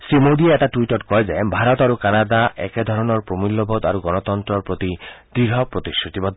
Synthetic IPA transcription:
simod̪ieɛʈaʈuiʈɔɾkɔed͡ʒaebʱaɾɔt̪aɾukanad̪aʔɛ̰ked̪ʱɔɾɔnɔɾpɾomilːɔbʱɔd̪aɾuɡɔnɔt̪ɔnt̪ɾɔɾpɾot̪id̪ɾiɾɦɔpɾot̪iʃot̪ibɔd̪ʱ

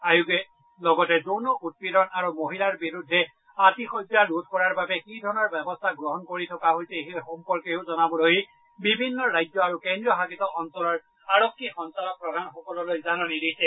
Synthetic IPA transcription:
ajuɡɛ | lɔɡɔtɛzonɔʔut̚pɹidɔnaɹumoɦilaɹbiɹudʱːɛ | atixɔzalud̚ʱkɔɹaɹbabɛkidʱɔɹnɔɹbɛbɔstʰaɡɹɔɦɔnkoɹitʰɔkaɦojsɛxexɔmpɔɹkeʊzɔnabɔloj | bibʱinːɔɹajd͡ʒɔaɹukɛndɹiɔxakitɔɔnsɔlɔɹ | aɹokʰːixɔnsanɔk̚pɹɔdʱanxɔkɔlɔlojzanɔnidijsɛ

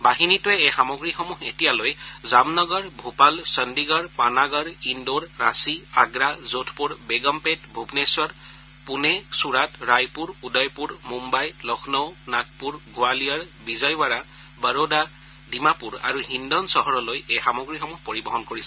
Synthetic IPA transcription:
baɦinitʊɛɛxamɔɡɹixɔmuxetijalojzamnɔɡɔɹbʱupalsəndiɡɔɹpanaɡɔɹindoɹːasia̰ɡɹazotʰpuɹbeɡɔmpetbʱubneswɔɹ | punɛsuɹatɹajpuɹudɔjpuɹmumbajlɔkʰnɔwnak̚puɹɡʊalijɔɹ | bizajwaɹa | bəɹoda | dimapuɹa̰ɹuɦindɔnsɔɦɔɹɔlojɛxamɔɡɹixɔmuxpoɹibɔɦɔnkoɹisɛ̥

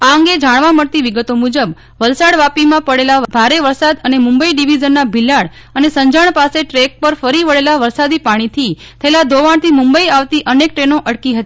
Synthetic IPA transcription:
aəŋɡed͡ʒaɳʋãməɽt̪iʋiɡət̪omud͡ʒəb | ʋəlsaɽʋapimãpəɽelabʱaɾeʋəɾsad̪ənemumbəiɖiʋid͡ʒənːabʱilːaɭ | ənesə̃ɲd͡ʒaɳ̃paseʈɾek̚pəɾfəɾiʋəɭelaʋəɾsad̪ipaɽ̃it̪ʰi | t̪ʰəɦelad̪ʱoʋaɳ̃t̪ʰimũmbəiaʋt̪iʔənek̚ʈɾenoʔəɽkiɦət̪i

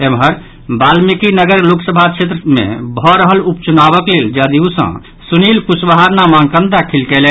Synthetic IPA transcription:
emɦəɾ | balmikinəɡəɾloksəbʱakt͡ʃʰet̪ɾəmḛ̃bʱɔɾəɦəlup̚t͡ʃunabəkleld͡ʒad̪iũsə̰̃ | sunilpusbəɦaɾnamaŋkə̃nd̪akʰilkɛlɛ

